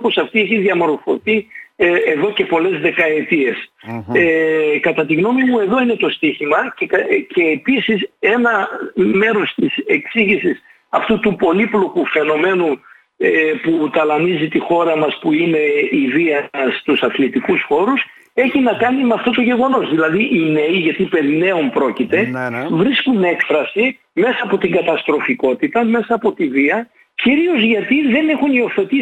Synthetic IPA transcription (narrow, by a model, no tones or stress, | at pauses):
po̞sɐft̪ieçiðjɐmo̞ɾfo̞̰θi | eðo̞ce̞po̞le̞zðe̞kɐe̞t̪ie̞sekɐt̪ɐt̪iɣno̞mimue̞ðo̞ine̞t̪o̞st̪içimɐce̞ːpisise̞nɐme̞ɾo̞st̪ise̞ksiʝisis | ɐft̪ut̪upo̞liplo̞kufe̞no̞me̞nu | eput̪ɐlɐnizit̪ixo̞ɾɐmɐspuine̞iviɐst̪usɐθlit̪ikusxo̞ɾus | e̞çinɐkɐnimeɐft̪o̞t̪o̞ʝe̞ɣo̞no̞zðilɐðiʔine̞iʝɐt̪ipeðne̞ompɾo̞cit̪e̞vɾiskune̞kfɾɐsi | me̞sɐːpo̞t̪iŋɡɐt̪ɐst̪ɾo̞fiko̞t̪it̪ɐme̞sɐːpo̞t̪iviɐ | ciɾio̞zʝɐt̪iðe̞ne̞xunio̞θe̞t̪i